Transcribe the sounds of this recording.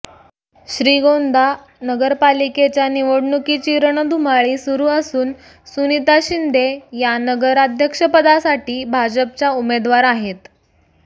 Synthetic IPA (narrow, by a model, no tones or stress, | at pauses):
ɕɾiːɡond̪ʱa | nəɡəɾpaliket͡ɕjaniʋəɽɳukit͡ɕiːɾəɳ̃əd̪umaɭiːsuɾuːəsuːn | sunit̪aɕind̪ʱejanəɡəɾad̪ʱjəkʂəpəd̪asaʈiːbʱad͡ʑəp̚t͡ɕaumed̪ʋaɾaɦet̪